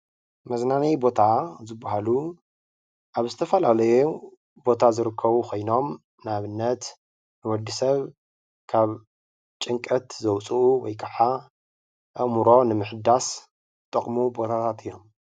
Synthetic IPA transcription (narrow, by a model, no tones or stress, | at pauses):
mɐznanɐjbo̞t̪ʰazɨbːaɦalu | ʔaβzɨt̪ʰɐfɐlalɐju | bo̞t̪ʰazɨɾɨkʰːɐβukʰo̞jno̞m | naβɨnːɐt̪ | nɨwɔd̪ːisɐβ | kʰaβ | t͡ʃʼɨŋkʼɐt̪zɐwt͡sʼuʔuwɔjkʰaħa | ʔɨʔmuɾo̞nɨmɨħɨd̪as | t̪ʼːɐχʼmubo̞t̪ʰat̪ʰat̪ɨjːo̞m